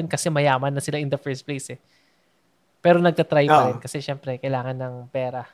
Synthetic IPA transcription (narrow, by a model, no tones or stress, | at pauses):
ɛnkɐsɛmɐjaːmɐnːɐsɪlaʔɪnd̪ɐfɛɹst̪̚plejsɛ | pɛːɾo̞nɐɡ̚t̪ɐt̪ɾajpɐɾɛnkɐsɛʃɛmpɾɛkɐjlaːŋɐnːɐŋpɛːɾɐ